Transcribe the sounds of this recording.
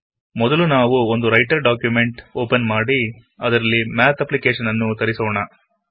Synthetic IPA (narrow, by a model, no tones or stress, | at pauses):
mɔd̪ɐlunaːʋuond̪uɾɐjʈɐɾɖaːkjumeɳʈoːpɐnmaːɽi | ɐd̪ɐɾɐlːimaːt̪ɐplikeːʂɐnɐnːut̪ɐɾisɔːɳɐ